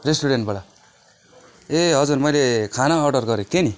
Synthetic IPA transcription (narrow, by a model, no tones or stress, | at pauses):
resʈuɽeɳʈ̚baɽa | eɦʌd͡zurmʌjlekʰanaːɖʌrɡʌɾet̪eni